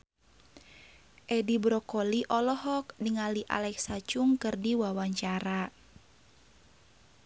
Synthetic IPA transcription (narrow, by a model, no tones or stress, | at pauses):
ʔɛdibɾɔkɔliʔɔlɔɦɔk̚diŋaliʔa̰lɛksat͡ʃuŋkɨrdiwawaɲt͡ʃaɾa